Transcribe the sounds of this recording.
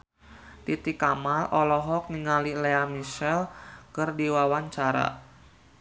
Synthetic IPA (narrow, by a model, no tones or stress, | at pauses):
t̪it̪ikamalʔɔlɔɦɔk̚niŋalileamiʃɛlkɨrdiwawaɲt͡ʃaɾa̰